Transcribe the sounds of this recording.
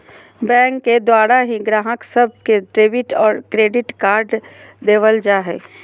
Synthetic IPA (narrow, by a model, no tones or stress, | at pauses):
bɛ̃ːŋkːed̪waːɽaɦĩɡɾaːɦəksəb̚ʱkedɾeːbɪʈɔːɾkɾeːɖɪʈkaːɾɖd̪eːʋəld͡ʒaːɦɛ̰ː